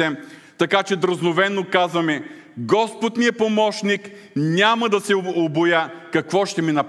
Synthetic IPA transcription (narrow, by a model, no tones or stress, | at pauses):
ɛm | t̪ɐkat͡ʃɛd̪ɾəznovɛnːokazvɐmɛ | ɡɔspot̪niɛpomɔʃnik | nʲamɐd̪ɐsɛobojakɐkvɔʃt̪ɛminɐp